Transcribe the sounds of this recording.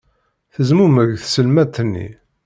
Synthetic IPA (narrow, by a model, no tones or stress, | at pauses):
θəzmuməʝθsəlmæt̪ːənːḭ